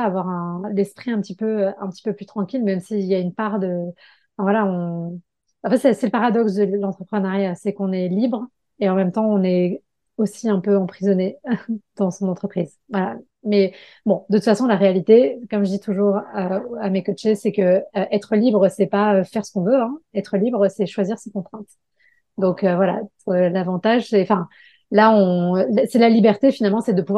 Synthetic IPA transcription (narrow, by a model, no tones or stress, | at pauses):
avwaʁɛ̃lɛspχiɛ̃pət̪ipøøɛ̃pət̪i̥pøplyt̪χɑ̃kʲilmɛmsiljaynpaʁd̪ə̃ | fɛ̃vwalaɔ̃ | ɑ̃fɛt̪sɛsɛləpaʁad̪ɔksd̪əlɑ̃t̪χəpχənaʁjasɛkɔ̃nɛlibʁ | eɑ̃mɛmt̪ɑ̃ɔ̃nɛ | osiɛ̃pøɑ̃pχizɔned̪̥ɑ̃sɔ̃nɑ̃t̪χəpχiz | vwala | mɛ | bɔ̃d̪ət̪ut̪fasɔ̃laʁealit̪ekɔmʒəd̪it̪ʰuʒuʁøamekɔt͡ʃesɛkəːʔɛt̪χəlibʁəsɛpaøfɛʁsə̥kɔ̃vøɛ̃ɛt̪χəlibʁsɛʃwaziʁsekɔ̃t̪χɛ̃t̪ | d̪ɔ̃køvwala̰ølavɑ̃t̪aʒsɛɑ̃fɛ̃ | laɔ̃lasɛlalibɛʁt̪efinalmɑ̃sɛd̪əpuvwa